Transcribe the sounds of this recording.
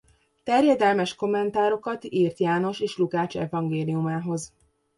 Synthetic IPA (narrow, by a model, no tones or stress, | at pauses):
t̪ɛrjɛd̪ɛlmɛʃko̞mːɛnt̪aːɾo̞kɒt̪iːrt̪jaːno̞ʃeːʃlukaːt͡ʃɛ̰vɒŋɡeːlijumaːɦo̞z